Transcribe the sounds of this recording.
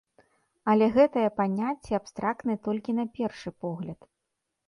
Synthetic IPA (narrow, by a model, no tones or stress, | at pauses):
ɐlʲɛɣɛt̪ɐjɐpanʲat͡sʲːɛapst̪ɾak̚t̪nɨjɐt̪ɔlʲkʲinɐpʲɛrʂɨpɔɣlʲɐt̪